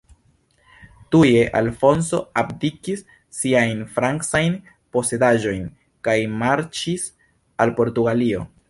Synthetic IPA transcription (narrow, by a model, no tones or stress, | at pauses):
tuje̞ʔalfo̞nso̞apdikisː | iajnfɾaŋksajn | po̞se̞daʒo̞jn | kajmaɾt͡ʃis | alpo̞ɾtuɡalio̞